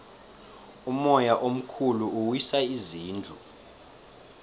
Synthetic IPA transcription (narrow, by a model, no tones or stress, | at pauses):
umɔjaʔom̩kʰuluuwisaiziːnd͡ɮʱu